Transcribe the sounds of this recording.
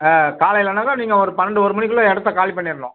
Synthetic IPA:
akaːlɐɪɪlɐnaːɣɐniːŋɡɐɔɾɯpɐnɐɖɯɔɾɯmɐɳɪkːɯɭɐɛɽɯt̪ːɐkaːlipːɐɳːɪɾɯnõ̰ː

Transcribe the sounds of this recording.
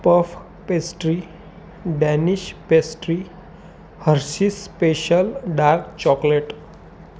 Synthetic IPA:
pəf | pesʈɾi | ɖɛniɕpesʈɾi | həɾsispeɕəlɖaɾkt͡ɕɔkleʈ

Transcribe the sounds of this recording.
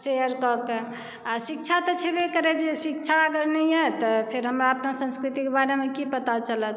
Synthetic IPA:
seəɾkɔke | asik̚t͡ʃʰat̪ɔt͡ʃʰebekəɾed͡ʒesik̚t͡ʃʰaəɡəɾnɛjɦət̪ɔpʰeɾɦəmɾaəpnasə̃nskɾit̪ikebaɾemekipət̪at͡ʃələt̪

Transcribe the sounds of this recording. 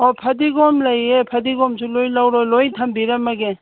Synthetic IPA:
ɔpʰɐdiɡɔmlajepʰɐdiɡɔmsulojlawɾɔlojtʰɐmbiɾamaɡe

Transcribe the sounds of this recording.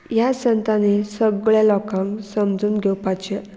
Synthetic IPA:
jasənt̪anesəɡɭjalɔkãŋksəmd͡zuːnɡʱɛwpat͡ɕe

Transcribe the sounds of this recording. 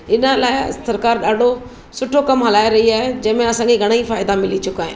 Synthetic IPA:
ɪnəlaːɪsɐɾkaːɾɗaːɖʱo | sʊʈʰokɐmɦɐlaːeɾɐɦiaːɦed͡ʑɐ̃ːmẽɐsãːŋkʰeɡʱɐɽ̃əifaːɪd̪amɪlit͡ɕʊkaːɦḛ̃ː

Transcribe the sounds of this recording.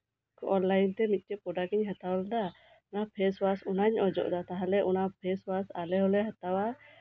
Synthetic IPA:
kɔʔɔnlajnt̪ɛmit̪̚ˀkɛpɔɖakɛɲɦat̪awald̪a | napʰɛswasunaɲʔɔd͡ʒɔ̰ʔd̪at̪aɦalɛʔunapʰɛswasalɛɦɔlɛɦat̪awa

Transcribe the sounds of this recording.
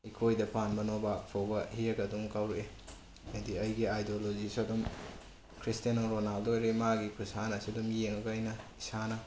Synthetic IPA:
ikʰojdɐpanbɐnobak̚pʰowbɐhieɡɐdumkawɾee | nɐdiɐjɡiajdolod͡ʒisadum | kʰɾistenoɾonaldojɾemaɡikʰusanɐsidumjeŋɐkajnɐisanɐ

